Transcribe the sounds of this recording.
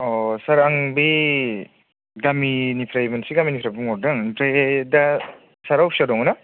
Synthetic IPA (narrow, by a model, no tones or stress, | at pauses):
ɔsaɾaŋbi | ɡaminipʰɾajbunsiɡaminipʰɾajbuŋɔɾdɯŋntɾaeda | saɾawsadɔŋna